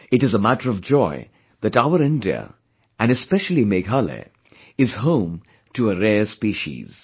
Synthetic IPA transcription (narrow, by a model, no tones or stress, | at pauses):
ɨʈɨzəmæʈəɹʌvd͡ʒɔɪ | ðɨɾaʊəɾɪ̃ndiə̰ | ʔæ̃nɨspɛʃlimeɡalḛ | ɪz̥ɦõʊ̃m | tuəɾɛːɹspiʃḭz̥